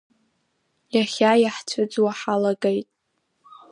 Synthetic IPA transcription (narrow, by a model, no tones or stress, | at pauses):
jaχʲajaħt͡ɕʷʰʊd͡zwaħalaɡejtʼ